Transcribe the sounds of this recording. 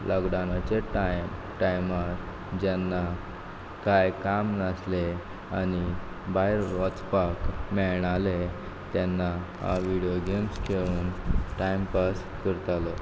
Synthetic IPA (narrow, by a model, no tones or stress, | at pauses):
lʔəɡɽanat͡ɕeʈajm | ʈajmat̪ | d͡ʑanːa | kajkamnasle | añi | baɦiɾʋət͡spakmɛɭɳale | t̪anːaha̰ʋiɽijoɡemskʰeʋuːnʈajmpas | kəɾt̪alɔ